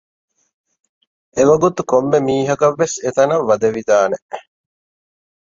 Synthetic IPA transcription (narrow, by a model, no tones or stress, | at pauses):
eʋɐɡut̪ukomːemiːɦɐkɐʋːeset̪ɐnɐʋːɐd̪ɐʋid̪aːne